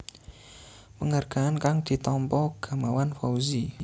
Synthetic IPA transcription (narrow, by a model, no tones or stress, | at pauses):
pəŋarɡ̥a̤ankaŋd̪̥i̤t̪ɔmpɔɡ̥a̤mawanfauzi